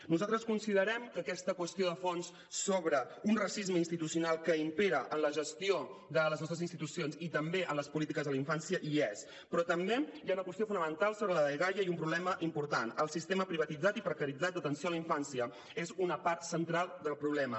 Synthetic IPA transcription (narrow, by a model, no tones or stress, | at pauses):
nuzalˠt̪ɾəskunsiðəɾɛmkəːkɛst̪əkwəst̪ioðəfonsː | oβɾəunrəsizməinst̪it̪usiunalˠkəimpeɾəʔənləʒəst̪iod̪ələznɔst̪əzinst̪it̪usionzit̪əmbeʔə̰nləspulit̪ikəzðələiɱfansiəʔiɛs | pɾɔt̪əmbejaunəkwəst̪iofunəmənt̪alˠsoβɾələðəjɣajəiumpɾuβlɛməʔimpuɾt̪anəlˠsist̪eməpɾiβət̪id͡zat̪ipɾəkəɾid͡zat̪̚d̪ət̪ənsioələiɱfansiə | ezunəpaɾt̪sənt̪ɾalˠd̪əlˠpɾuβ̞lɛmə